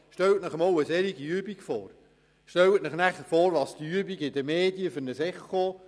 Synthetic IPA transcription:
ʃtɛwtnəχəmɑwəsɛɾiɡiyəbiɡfɔ̰ːr | ʃtɛwətnəχnæχəɾfɔːɾʋɑːst̪iyəbiɡɪd̪əmeːdiəfʏɾnəsɛχo

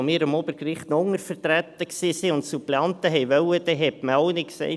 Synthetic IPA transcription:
miːɾəmobəɾɡrɪχt̪nɔʊŋːəɾfərt̪ɾæt̪ːəksisiʊntsupleɑnt̪əɦɛɪʋœwəd̪ɛɦɛtməɔʊnɪksɛ̰ɪ

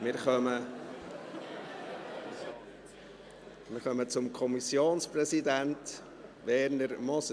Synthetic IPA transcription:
mɪɾχœmə | mɪːɾχœmət͡sʊmkʰɔmisjoːnsprɛsid̪ænt | ʋɛɾnəɾmɔs

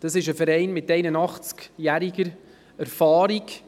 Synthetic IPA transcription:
d̥ɑsɪʃəfɛɾɛɪnmɪtɛɪnənɑχt͡skjæɾiɡəɾ | æɾfɑːɾik

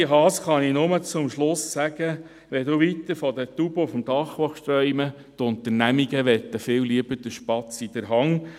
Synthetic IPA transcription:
əɦɑːsχɑninʊmət͡sʊmʃlʊsːæɡə | ʋɛd̪uʋit̪əɾfɔd̪ət̪ub̥əfɔmd̥̪ɑχʋɔχʃt̪ɾœʏmə | t̪ʊnt̪əɾnæmiɡəʋɛt̪ːəfɪːwliəbəd̪əʃpɑt͡sid̥̪əɾɦɑŋ

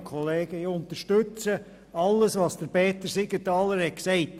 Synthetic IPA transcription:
kʰɔleːɡəiʊnt̪əɾʃtʉt͡sə | ɑlːəsʋɑːsd̥̪əɾbɛːt̪əɾsɪɡətɑːləɾhɛksɛɪt

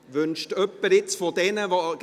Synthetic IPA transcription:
ʋʏnʃtœpːəɾɪt͡sfodɛnəvoɡ

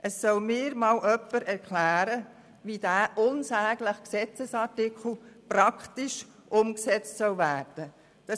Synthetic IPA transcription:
ʔəsːœwmɪːɾmɑːlʔœpːəɾɛɾkʰlæːɾə | ʋid̥æːʔʊnsæːɡləχksɛt͡səsɑtɪkχl̩prɑkχt̪iʃ | ʔʊmksɛt͡stsœwvæːrd̥ə | d̥ɑ

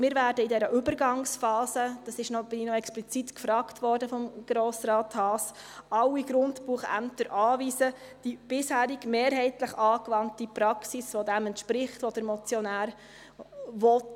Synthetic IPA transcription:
mɪːɾvæːɾdəidɛɾəʔʏbəɾɡɑŋsfɑːsəd̥ɑsɪʃnɔb̥ɪnɪnɔɛksplit͡sitkfɾɑːktʋɔɾdəfɔmɡ̥ɾoːsɾɑːthɑːs | ɑwiɡɾʊndpuːχæ̰mt̪əɾʔɑːʋiːzə | d̥ib̥ɪshæːɾɪɡmeːɾɦɛɪtləχɑːkʋɑntipɾɑksisʋɔdɛmɛntʃpɾɪχtʋɔd̥̪əɾmɔt͡sjɔnæːɾ | ʋɔt

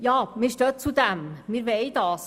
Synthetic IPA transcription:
jɑːmiːʃtøt͡sud̪ɛmmiːɾʋeɪd̪ɑːs

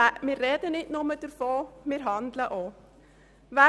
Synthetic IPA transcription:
mɪːɾːɛdənɪtnʊməd̥əɾfoːmɪːɾɦɑndləʔo | ʋæ

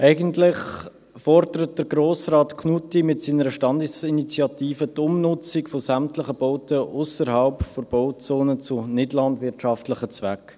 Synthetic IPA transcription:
ʔɛɪɡəntlɪχ | fɔrd̥əɾət̚d̥əɾɡɾoːsrɑːtkʰnutimɪtsiːnəɾəʃtɑndɪsinit͡sjɑtiːfətʊmnʊt͡sikfosæmtlɪχəboʊtəʔʊsəɾhɑlpfob̥oʊt͡soːnət͡sʊnɪdlɑndvʋɪtʃɑftlɪχət͡svɛk

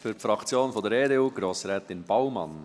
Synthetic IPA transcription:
fyɾpfɾɑkt͡sjoːnfɔdəɾeːdeːuːɡ̥ɾoːsɾɛːt̪ɪnb̥aʊmɑ̰n

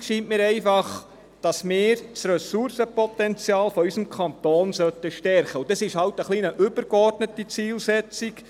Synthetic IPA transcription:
ʃiːntmɪːɾɛɪfɑχ | d̥ɑsmɪːɾsrɛsuɾsəpɔtɛnt͡sjɑːlfɔysəmkʰɑnt̪oːnsœtəʃtɛrχəud̪ɑsɪʃhɑwtəχlinəʔʏbəɾkɔrdnətit͡siːlsɛt͡sik

